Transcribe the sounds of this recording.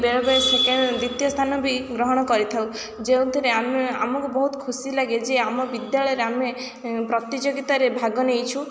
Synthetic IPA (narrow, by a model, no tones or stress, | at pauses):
beɭɔbeɾseked̪ɾit̪jɔst̪ʰanɔbʱiɡɾɔɦɔɽ̃ɔkɔɾit̪ʰaw | d͡ʒeũt̪ʰiɾeamea̰mɔŋkubɔɦut̪kʰusilaɡed͡ʒeamɔbid̪jaɭɔjɾeame | pɾɔt̪id͡ʒoɡit̪aɾebʱaɡɔnejt͡ʃʰu